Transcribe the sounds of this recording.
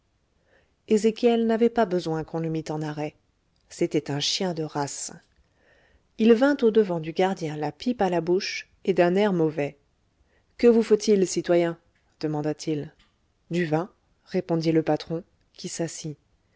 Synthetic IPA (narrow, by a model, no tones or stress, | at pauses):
ezekʲjɛlnavɛpabəzwɛ̃kɔ̃ləmit̪ɑ̃naʁɛ | set̪ɛt̪ɛ̃ʃjɛ̃d̪əʁas | ilvɛ̃t̪od̪əvɑ̃d̪yɡaʁd̪jɛ̃lapipalabuʃ | ed̪ɛ̃nɛʁmɔvɛ | kəvufot̪ilsit̪wajɛ̃ | d̪̥əmɑ̃d̪at̪ʰil | d̪yvɛ̃ | ʁepɔ̃d̪iləpat̪χɔ̃ | kʲʰisasi